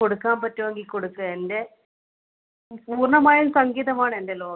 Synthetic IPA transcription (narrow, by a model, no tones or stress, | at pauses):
koɽukːaːmpɐtːuʋɐŋɡilkoɽukːɨende̞ | puːrɳɐmaːjumsɐŋɡiːðɐmaːɳɨe̞nde̞lo̞ː